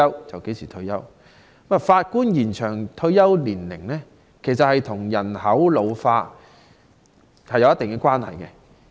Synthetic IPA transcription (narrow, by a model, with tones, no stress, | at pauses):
ɐ˥wt͡sɐ˨wke˨˥jsiː˨˩t̪ʰɵ˧jɐ˥w | ma˨˩faː˧t̚kuː˥njiː˨˩nt͡ʃʰœː˨˩ŋt̪ʰɵ˧ɥjɐ˥wliː˨˩nlɪ˨˩ŋlɛː˥ | kʰe˨˩jsɐ˨t̚hɐ˨jt̪ʰʊ˨˩ŋjɐ˨˩nhɐ˨˥wlo˨˧wfaː˧t̚ | hɐ˨jɐ˨˧wjɐ˥t̪ɪ˨ŋkɛː˧kʷaː˥nhɐ̰˨˩jkɛ˧